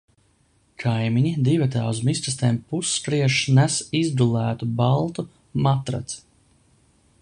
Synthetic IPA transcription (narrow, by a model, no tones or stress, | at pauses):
kʰajmiɲid̪ivɛt̪̬aːuzmist̪ɾast̪eːmpusːkɾiɛʃnæsizd̪ulæːt̪ubalˠt̪u | mat̪ɾa̰t̪s